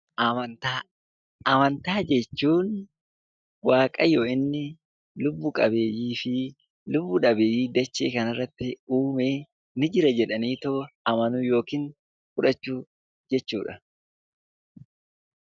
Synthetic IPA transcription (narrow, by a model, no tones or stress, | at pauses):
ɐnt̪aː | ɐmɐnt̪aːd͡ʒɛt͡ʃːuːn | waːkʼɐjo̞ːʔɪnːɪ | lʊbːʊkʼɐbe̞ːjiːfɪ | lʊbːʊᶑɐbe̞ːjiːd̪ɐt͡ʃːḛːkɐnɪrːɐt̪ːɪuːmeː | nɪd͡ʒɪɾɐd͡ʒɛᶑɐniːt̪oɐmɐnujo̞ːkiːn | fʊᶑɐt͡ʃːuː | d͡ʒɛt͡ʃːuːᶑɐ